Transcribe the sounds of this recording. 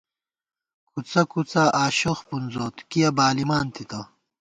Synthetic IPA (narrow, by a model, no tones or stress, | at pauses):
kʰut͡sɐkut͡sɐʔaːɕoxpunzoːt̪kijɐbaːlimaːnt̪it̪ɐ